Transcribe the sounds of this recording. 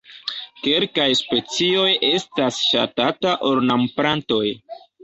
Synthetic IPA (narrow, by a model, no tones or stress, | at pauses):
ke̞lkajspe̞t͡sio̞je̞stasʃa̰tataʔo̞ɾnampɾanto̞j